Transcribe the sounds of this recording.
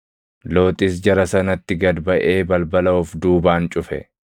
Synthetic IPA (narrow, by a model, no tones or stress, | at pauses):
lo̞ːt̪ʼɪs̬d͡ʒɐɾɐsɐnɐt̪ːɪɡɐd̪bɐʔeːbɐlbɐlɐʊfd̪uːbaːnt͡ʃʼʊfɛ̰